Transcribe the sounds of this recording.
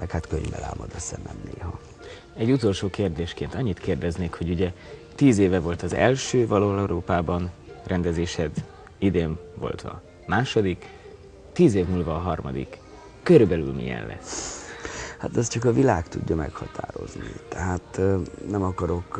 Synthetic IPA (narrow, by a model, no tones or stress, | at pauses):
mɛkhat̪køɲvbɛla̰ːmɒd̪øsɛmɛmneːɦɒ | ɛɟːut̪o̞lʃoːkeːrd̪eːʃkeːnt̪ɒɲːit̪keːrd̪ɛzneːkho̞ɟuɟɛt̪iːzeːvɛvo̞lt̪ɒzɛ̰lʃøːvɒloːlɛɾʔoːpaːbɒnrɛnd̪ɛzeːʃhɛd̪ | id̪eːɱvo̞̰lt̪ɒ̰ | maːʃo̞d̪ik | t̪iːzeːvnuːlvɒːɦɒrmɒ̰d̪ḭkː | øɾybɛly̰lmḭjɛ̰llɛ̰sː | hat̪ɛst͡ʃɒkɒvilaːkt̪uɟːɒmɛkhɒt̪ʰa̰ːɾo̞̰znit̪ɛɦaːt̪nɛmɒkɒɾo̞k